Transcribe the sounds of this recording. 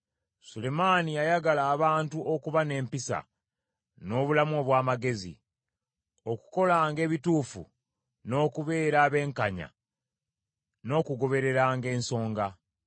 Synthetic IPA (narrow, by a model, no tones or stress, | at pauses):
sule̞maːnijajaɡalaːβaːntuʔokuβane̞ːmpisa̰ | no̞ːβulamoβwaːmaɡe̞zḭ | o̞ku̥ko̞laːŋɡe̞ːβituːfṵ | no̞ːkuβe̞ːɾaːβe̞ːŋkaɲa̰ | no̞ːkuɡo̞βe̞ɾe̞ɾaːŋɡe̞ːnso̞ːŋɡa